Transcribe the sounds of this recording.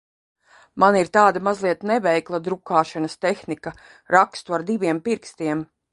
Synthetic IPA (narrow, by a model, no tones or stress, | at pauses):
maniɾt̪aːd̪amazlˠiɛt̪nɛvɛjklˠad̪ɾukaːʃanɐst̪exnika | ɾakst̪uaɾd̪iʋʲiɛmpiɾkst̪iɛm